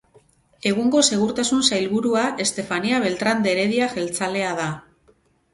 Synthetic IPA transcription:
e̞ɣ̞uŋɡo̞se̞ɣ̞uɾt̪asunsajlβuɾuaʔe̞st̪e̞faniaβ̞e̞lt̪ɾand̪e̞ɾe̞ðiaxe̞lt͡sale̞aða

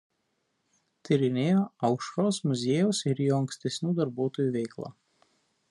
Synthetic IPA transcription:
t̪ʲɪɾʲɪnʲeːjoːɐʊkʃɔɾoːsmʊzʲeːjɛsɪɾijɔːɐŋksʲt̪ʲɛsʲnʲuːd̪ɐɾbuɔt̪ɔjuːʋʲɛɪklˠa̰ː

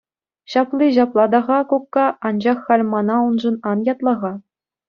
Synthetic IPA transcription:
ɕɑplʲˠiʑ̬ɑplˠɑd̪ɑʁɑkokːɑʔɑnd͡ʑɑχːɑlʲmɑnɑunʐɤ̆nɑnjɑt̪lˠɑʁɑ

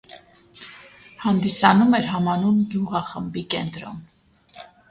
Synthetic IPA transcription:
hɑnd̪isɑnumɛɾɦɑmɑnunɡjuʁɑχəmbikɛnt̪ɾɔ̰m

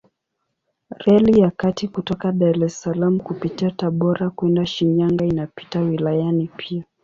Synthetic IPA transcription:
ɾɛlijakatikutɔkaɗaɾɛsalam̩kupitiataɓɔɾakwɛndaʃiɲaŋɡainapi̥tawilajanipʰia

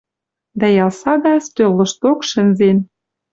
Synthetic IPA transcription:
d̪æjɑlˠsɑd̪ɑst̪ølːɤ̆ʃt̪okʃɘ̆nzen

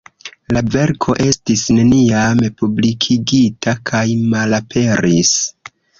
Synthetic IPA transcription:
lave̞ɾkʰo̞ʔe̞stisne̞niamepublikʰiɡitʰakʰajmalapʰe̞ɾis

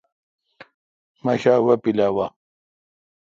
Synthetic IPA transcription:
mɐɕaːwɐpilawa

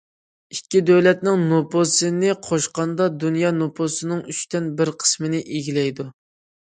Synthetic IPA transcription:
ikʲːid̪øwlɛt̪nɪŋnoposɨnɪqʰoʃqɑnd̪ɑd̪unjɑnopʰosɨnɨŋyt͡ʃt̪ɛnbɪɾqʰə̥smɪnɪʔiɡʲilɛjd̪u

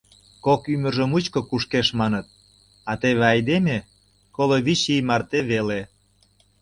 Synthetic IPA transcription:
kokymə̆ʒə̆mut͡ɕkokuʃkeʃmɑnət̪̚ | ɑt̪eβeɑjd̪eme | koloβit͡ɕijmɑrt̪eβele

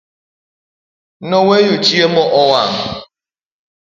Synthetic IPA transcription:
nowejot͡ʃiemɔʔɔwam̩

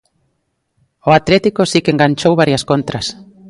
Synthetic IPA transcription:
ʊat̪lɛt̪ikosikeŋɡant͡ʃowβaɾjɐskont̪ɾɐs

